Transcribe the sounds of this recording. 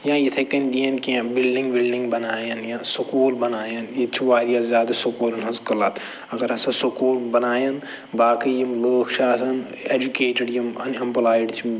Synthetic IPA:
jãːjit̪ʰekɐnd̪ijɐnkiãbɪlɖĩŋɡbilɖĩŋɡbɐnaːjɐnjãːsukuːlbɐnaːjɐnjet͡ʃʰiʋaːɾijaːzjaːd̪ɐsukuːlɐnɦɐzkɐlat̪ʰ | ɐɡɐɾɐsɐsukuːlbɐnaːjɐn | baːkijimloːkʰʃʰaːsɐn | eːd͡ʒukeːʈəɖjimɐ̰nɐmplaːiɖt͡ʃʰ

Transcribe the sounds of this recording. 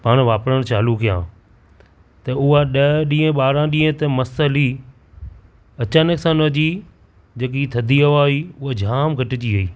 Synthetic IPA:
paːɽ̃ʋaːpɾəɽ̃t͡ɕaːlukijãː | t̪ɐʊɦaɗɐɗĩːə̃ɓaːɾãɗĩːə̃t̪ɐmɐsəli | ɐt͡ɕaːnəksãnɐd͡ʑi | d͡ʑeːk̬it̪ʰɐd̪ʱiɐʋaːiːʊɦad͡ʑʱaːmɡʱɐʈɪd͡ʑiɦɐiː

